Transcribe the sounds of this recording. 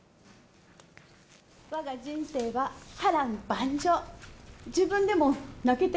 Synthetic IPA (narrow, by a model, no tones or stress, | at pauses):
βaɡad͡ʑĩñse̞ːβahaɾãmbãɲd͡ʑo | d͡ʑɨːbɯ̟̃nd̪e̞mo̞nake̞t̪e